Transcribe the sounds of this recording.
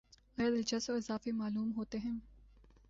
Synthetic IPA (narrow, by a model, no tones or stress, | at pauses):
ɐjɐd̪ɪld͡ʒɐsoɪzaːfemaːluːmɦoːt̪eɦɛ̃ː